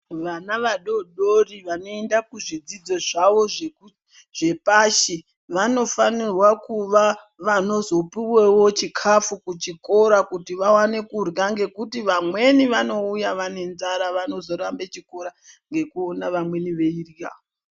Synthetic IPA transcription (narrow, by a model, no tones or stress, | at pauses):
ʋanaʋaɗo̞ɗoriʋano̞e̞ndakuʐid͡zid͡zo̞ʐaʋo̞ʐe | ʐe̞paʃi | ʋano̞fanirwakuʋa | ʋano̞zo̞piwewo̞t͡ʃikʰafukut͡ʃiko̞ɾakutiʋawane̞kurɡaŋɡe̞kutiʋamwe̞niʋano̞ujaʋane̞nzaɾaʋano̞zo̞ɾambe̞t͡ʃiko̞ɾaŋɡe̞kuonaʋamwe̞niʋe̞irja̰o